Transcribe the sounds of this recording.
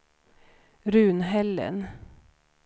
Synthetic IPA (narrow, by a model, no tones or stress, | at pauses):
ɾʉːnhɛlə̰n